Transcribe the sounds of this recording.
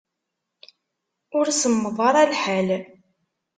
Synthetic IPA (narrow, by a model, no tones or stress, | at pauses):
ʊɾsəmːəðˤɑɾˤælħæl